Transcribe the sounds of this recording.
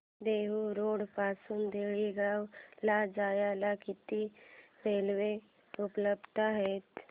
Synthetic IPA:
d̪eːɦuɾoːɽpaːsund̪eːɭiɡawlad͡ʒaːjalakɪt̪imeːlʋe | ʊpləbt̪aɦɛːt̪

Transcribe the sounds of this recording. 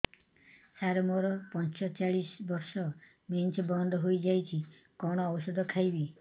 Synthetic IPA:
saɾɔmɔɾɔpɔnt͡ʃɔt͡ʃaɽisbɔɾsɔ | mint͡ʃbɔnd̪ɔɦojd͡ʒajt͡ʃʰi | kɔɽ̃ɔːbɔsɔd̪ʱɔkʰajbi

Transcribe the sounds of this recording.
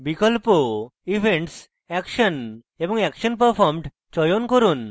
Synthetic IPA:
bikəlpoiʋʱẽɳʈs | ɛkɕən | eʋə̃ŋɡɛkɕənpəɾfɔɾmɖ | t͡ɕɔjonkəɾuːn

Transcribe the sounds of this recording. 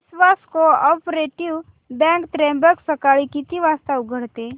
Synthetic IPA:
sʋaskoɔpɾeʈiu | bɛ̃ŋkt̪ɾẽmbəksəkaɭikit̪iʋaːst̪aʊɡʱəɽt̪e

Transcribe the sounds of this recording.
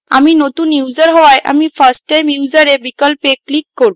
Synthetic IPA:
aminot̪unjuːd͡ʑəɾɦɔʋajʔa̰mifəɾsʈajmjud͡ʑəɾebikɔlpeklikːɔɾũ

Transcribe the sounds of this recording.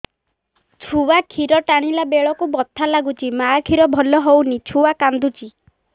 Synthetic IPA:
t͡ʃʰuwakʰiɾɔʈaɽ̃ilabeɭɔkubɔt̪ʰːalaɡut͡ʃʰimakʰiɾɔbʱɔlɔɦownit͡ʃʰuwakand̪ut͡ʃʰi

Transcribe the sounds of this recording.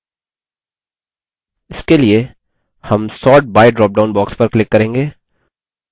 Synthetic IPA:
ɪskelie | hɐmsɔːʈ̚baːɪɖɾɔːp̚ɖãːʊ̃nbɔːkspɐɾklɪkːɐɾẽːŋɡeː

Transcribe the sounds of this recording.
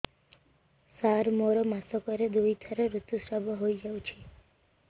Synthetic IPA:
saɾmoɾɔmasɔkɔɾed̪ujt̪ʰəɾeɾut̪ːusɾabʱɔɦojd͡ʒawt͡ʃʰe

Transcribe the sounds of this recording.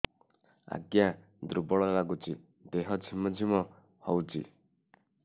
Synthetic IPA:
a̰ɡja | d̪ɾubɔɭɔlaɡut͡ʃi | d̪eɦɔt͡ʃʰimɔd͡ʒʱimɔ | hɔwt͡ʃḭ

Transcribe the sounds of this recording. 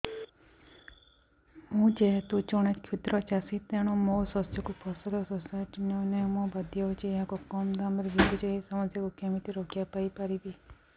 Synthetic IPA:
mũd͡ʒet̪ũt͡ʃɔɽ̃et͡ʃkʰit̪ɾɔt͡ʃasit̪eɽ̃ɔmosɔsjɔkupʰɔsɔlɔsɔsaʈnɔnemɔ̃bəd̪jɔt͡ʃeakɔkɔmd̪amɾd͡ʒit̪id͡ʒeesɔməsjɔkukemit̪iɾokʰjapaipaɾibi

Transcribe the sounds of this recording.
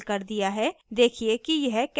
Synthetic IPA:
lkɐɾd̪ijaɦɛd̪eːkʰiekijɐɦk

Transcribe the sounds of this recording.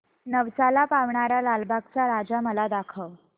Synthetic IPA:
nəʋsalapaʋɳaɾjalalbʱak̚t͡saɾad͡zaməlad̪akʰəʋ

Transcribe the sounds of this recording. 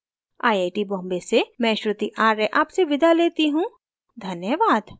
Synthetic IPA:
aːiaːʈibɔ̃ːmbesemɛ̃ːʃɾʊt̪iʔaːɾɛʔaːpseʋɪd̪ʱaleːt̪iɦũː | d̪ʱɐnjəʋaːd̪

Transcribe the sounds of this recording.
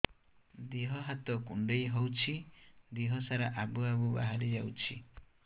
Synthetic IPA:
d̪iɦɔɦat̪ɔkṵɳɖejɦɔwt͡ʃʰid̪iɦɔsaɾaʔabuabuba̰ɦaɾid͡ʒaut͡ʃʰḭ

